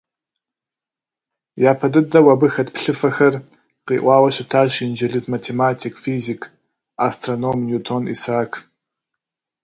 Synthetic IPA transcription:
jaːpʰɐdɨdɐwɐbɨxɐtpɬɨfɐxɐr | qḭːʔʷɑːwɐɕɪtʰaːʃind͡ʒɐɮɨzmatʰemaːtʰikʰfiːzikʰ | astʰronomjutʰonḭsaːkʰ

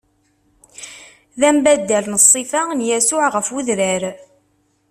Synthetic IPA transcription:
ðæmbæd̪ːəlnəsˤːifanjæsʊʕʁəfuðɾəɾ

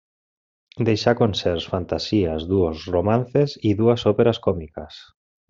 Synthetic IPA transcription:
d̪ejʃakonseɾsfant̪asiazðuosromãn̟θesiðuɐsopeɾaskɔmikɐs

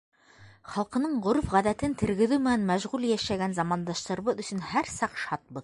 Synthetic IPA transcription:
χɑlˠqɤ̆nɤɴʁŏɾufʁæðæt̪ɘnt̪ʰɘ̆ɾɡɘ̆ðʉmɘ̆nænmæʒʁʉljæʃæɡænzɑmɑnd̪ɑʃt̪ɤ̆ɾβɤðɵ̆sɵ̆nhæɾsɑqʃɑt̪̚bɤð

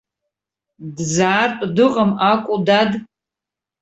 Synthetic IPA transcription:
dzaːrtʼdɨqʼəmakʷʼudad

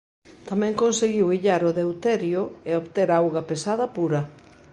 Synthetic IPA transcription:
t̪amɛ̃ŋkonseɣiwiʎaɾʊðewt̪ɛɾjʊeoβt̪eɾawɣɐpesað̞ɐpuɾɐ

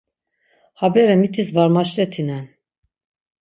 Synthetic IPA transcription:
habɛɾɛmit̪ʰisvaɾmaʃlɛt̪ʰinɛn

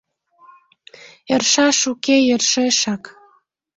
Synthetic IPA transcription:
erʃɑʃukejərʃeʃɑk

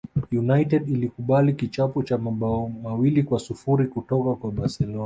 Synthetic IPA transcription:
junajtɛɗilikuɓalikit͡ʃapɔt͡ʃamaɓaɔmawilikwasufuɾikutɔkakwaɓasɛlɔna

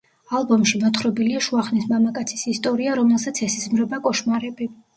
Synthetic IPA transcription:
alˠbɔmʃimɔt̪χɾɔbiliaʃuaχnismamakʼat̪sʰi̥sist̪ʼɔɾiaɾɔmɛlˠsat̪sʰɛsizmɾɛbakʼɔʃmaɾɛbi

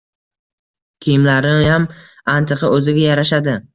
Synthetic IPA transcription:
kʲʰijɪmlaɾɪam | ant̪ʰɨqʰɨʔɵzɪɡʲajaɾaʃ̬ad̪ɪ

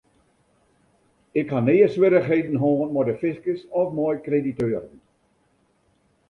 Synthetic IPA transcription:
ɪkhaneːəswɪɾəχɦeːdən̩ɦɔːnmɔdəfɪskəsɔfmɔjkreditøːɾən

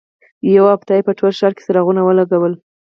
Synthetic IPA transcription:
jawabt̪ɑjepəʈolʃɑɾke̥saɾaɣunawəlaɡawəl

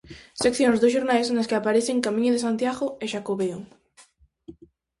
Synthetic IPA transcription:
sekθjõŋzðosʃ̬oɾnajsnaskɪapaɾeθeŋkamĩɲʊðesant̪jaɣoeʃakoβeo

